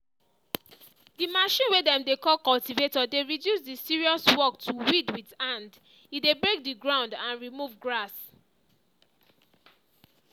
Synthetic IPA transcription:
dimaʃĩnwedɛ̃mdekɔlkɔltivetɔdeɹidjusdisiɹiɔswɔk̚tʰuwidwidãnd | idebɹek̚diɡɹãʊ̃ndãnɹimuvɡɹas

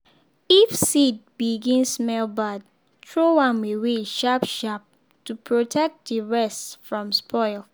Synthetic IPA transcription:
ifsid̚biɡĩnssmɛlbad̚ | tʰɹowãnweweʃapʃap̚ | tupʰɹotʰɛk̚t̚diɹɛstfɹɔ̃mspʰɔɪl

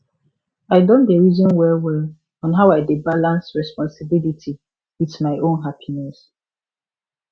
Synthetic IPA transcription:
aɪdɔ̃ndəɹizɔ̃nwɛlwɛl | ɔ̃nɦaʊaɪdebalãnsɹɛspɔ̃nsɪbilitʰi | witmaɪʔõnɦapʰinɛs

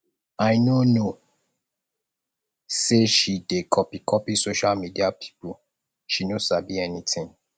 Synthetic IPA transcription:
ajnono | seʃidekʰɔpikʰɔpisoʃalmidiapʰi̥pu | ʃinosabiɛnitĩŋ

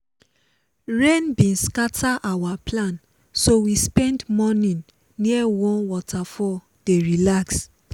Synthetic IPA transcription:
ɹẽnbĩnskatʰaʔawaplãn | sowispɛ̃ndmɔnĩnː | iɛwɔ̃nwɔtʰafɔ | d̥eɹilaks

